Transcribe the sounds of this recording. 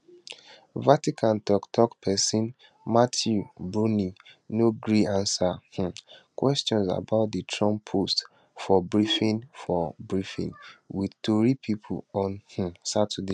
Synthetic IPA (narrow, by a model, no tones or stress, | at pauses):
vatikʰãntɔktʰɔkpʰɛsĩn | matʰjubɹuninoɡɹiãnsah̩kwɛstɔ̃nsa̰baʊt̚ditʰɹɔ̃mpʰost | fɔbɹifĩnfɔbɹifḭ̃nwitoɹipʰipʰṵɔ̃nh̩satʰudi